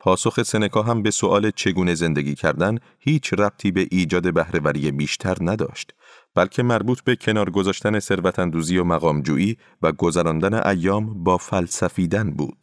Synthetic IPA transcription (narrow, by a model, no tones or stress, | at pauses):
pʰɒːso̞xe̞se̞ne̞kʰɒːɦæmbe̞soʔɒːle̞t͡ʃʰe̞ɡuːne̞ze̞nd̪e̞ɡʲiːcʰæɾd̪æn | hiːt͡ʃʰræb̥̚t̪ʰiːbe̞ʔiːd͡ʒɒːd̪e̞bæhɾe̞væɾiːjebiːʃt̪ʰæɾnæd̪ɒ̰ːʃt̪ | b̥ælcʰe̞mæɾbuːt̪ʰbe̞cʰe̞nɒːɾɡo̞zɒːʃt̪æne̞se̞ɾvæt̪ʰænd̪uːzijomæɣɒːmd͡ʒuːʔiː | væɡo̞zæɾɒːnd̪æne̞̰ʔæjːɒːmbɒːfælsæfiːd̪ænbṵːd̪̥̚